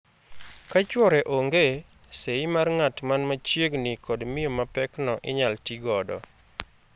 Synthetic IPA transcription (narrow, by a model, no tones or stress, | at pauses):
kat͡ʃwɔɾɛʔoŋɡe | seɪmarŋatmanmat͡ʃjeɡnikɔdmɪjomapɛknɔʔɪɲaltiɡɔdɔ̰